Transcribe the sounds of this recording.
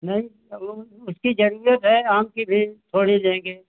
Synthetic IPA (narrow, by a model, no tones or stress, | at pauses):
nɐɦĩ | ʊskid͡ʒɐɾuɾət̪ɦɛaːmkibʱit̪ʰoːɽilẽːɡeː